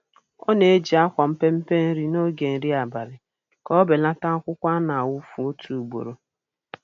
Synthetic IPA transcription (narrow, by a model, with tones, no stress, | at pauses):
ɔ̰˦ne˨˦d͡ʒi˨a˦kʷa˨m̩˦pe˦m̩˦pe˦n̩˦ɾi˦no˦ɡe˨n̩˦ɾi˦a˨ba˨ɾɪ˨ | kɔ˦be˨la˦ta˦kʷʊ˦kʷa˦na˨wʊ˦fu˨˦o˦tʰu˨u˨ɡ͡bo̰˨ɾo˨